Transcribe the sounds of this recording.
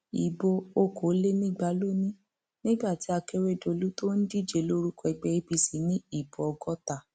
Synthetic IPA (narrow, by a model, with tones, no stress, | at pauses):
ḭ˨bo˧o˦ko˨˦le˦nĩ˦˨ɡ͡ba˨˦lo˦nĩ˦ | nĩ˦ɡ͡ba˦˨ti˨˦a˧ke˦ɾe˦do˧˨lu˨˦to˦n̩˦di˦˨d͡ʒe˨lo˦ɾu˦kɔ˧i˧ɡ͡bɛ˧i˧bi˧si˨˦nĩ˦i˦˨bo˨ɔ˧ɡɔ˦ta˦˨